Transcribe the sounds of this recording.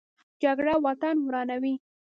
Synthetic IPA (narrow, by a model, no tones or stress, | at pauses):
d͡ʒaɡɽawɑt̪anwɾɑnawi